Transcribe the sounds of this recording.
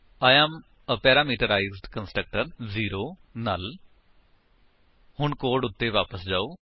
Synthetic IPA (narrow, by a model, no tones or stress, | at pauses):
aːjɛːm | əpɛːɾaːmiːʈəɾaːizɖkənsʈɾək̚ʈəɾziːɾoːnaːl | hʊɳkoːɖʊt̪ːeːʋaːpəsd͡ʒaːoː